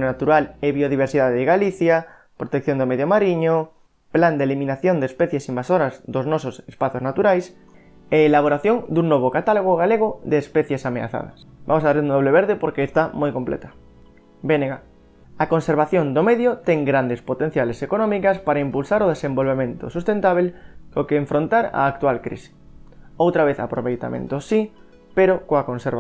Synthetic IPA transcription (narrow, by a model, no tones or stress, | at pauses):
nonat̪uɾaleβioð̞iβ̞eɾsiðaðeðeɣaliθja | pɾot̪ek̚θjond̪omeðjomaɾiɲo | pland̪elimĩnaθjond̪espeθjesimbasoɾazðoznososespaθjoznat̪uɾajs | eːlaβ̞oɾaθjoŋd̪uŋnoβ̞okat̪aloɣ̞oɣaleɣ̞oðeːspeθje̞samea̰θa̰ð̞a̰sba̰mosaɾend̪oβleβ̞eɾðepoɾkeːst̪amojkomplḛt̪ḁ | beneɣa | akonseɾβaθjond̪omeðjot̪eŋɡɾand̪espot̪en̟θjalesekonõmikaspaɾaimpulsaɾoð̞esembolβemẽnt̪o̰sust̪ent̪aβ̞elkokeːɱfɾõnt̪aɾa̰ːk̚t̪ualkɾḭsi̥owt̪ɾaβeθa̰pɾoβejt̪a̰mʔḛ̃nt̪osi | peɾokoakonseɾβa